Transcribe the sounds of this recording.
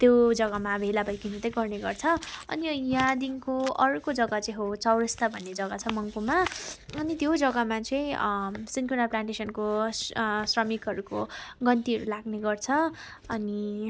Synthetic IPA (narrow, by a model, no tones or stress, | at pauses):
t̪jod͡zʌɡamabʱelabʱʌjkinʌt̪ʌjɡʌrneɡʌrt͡sʰʌʌ̰nijãd̪inkoʌɾkod͡zʌɡʌt͡sʌĩɦot͡sʌwɾʌst̪ʰʌbʱʌnːed͡zʌɡʌt͡sʰʌmʌŋkomaʌnit̪jod͡zʌɡamat͡sʌjĩsinkunaplaɳʈesʌnkossrʌmikɦʌɾukoɡʌnt̪iɦʌɾulaɡneɡʌrt͡sʰʌ | ʌni